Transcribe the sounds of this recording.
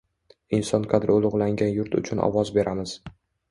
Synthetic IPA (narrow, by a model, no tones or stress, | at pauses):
ɪnsɒnqʰɑd̪ɾolˠʊʁlˠaŋɡʲanjʊɾt̪ʊ̰t͡ʃʰʊnɒ̰wɒzbe̞ɾʔamɪz̥